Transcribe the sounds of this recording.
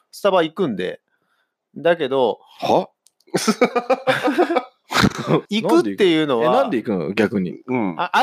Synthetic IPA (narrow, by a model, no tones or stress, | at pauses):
sɨ̥t̪abaikɯ̟̃nd̪e̞̰ | d̪ake̞d̪o̞ | ha | ikɯ̟t̪t̪ːe̞jɯ̟ːno̞βanãnd̪eikɯ̟no̰ɡʲakɯ̟ɲ̟ḭ̃aa